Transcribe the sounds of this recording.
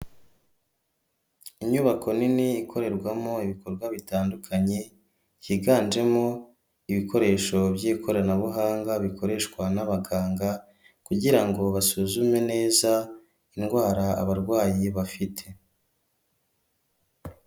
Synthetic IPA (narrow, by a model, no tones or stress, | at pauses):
iɲuβakʰo̞niniːkʰo̞ɾe̞ɾɡwamo̞iβiko̞ɾɡwaβitaːndukʰaɲe̞ | jiɡaːnd͡ʒe̞mo̞ | iβikʰo̞ɾe̞ːʃo̞bjiːkʰo̞ɾanaβuɦaːŋɡaβiko̞ɾe̞ʃkwanaβaɡaːŋɡa | kuɟiɾaŋɡo̞βasuzume̞ne̞ːza | inɡwaːɾaa̰βaɾɡwaːjiβafitʰe̞